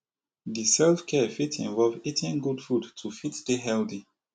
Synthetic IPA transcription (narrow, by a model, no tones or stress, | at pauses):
disɛlfkʰɛfitḭ̃ɱvɔlˠvitʰĩnɡudfudtʰufitd̥eɦɛldi